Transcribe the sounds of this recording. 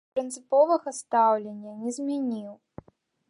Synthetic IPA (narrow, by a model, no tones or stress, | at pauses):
pɾɨnt̪sɨpɔvɐɣɐst̪awlʲenʲːɐnʲɛzmʲanʲiw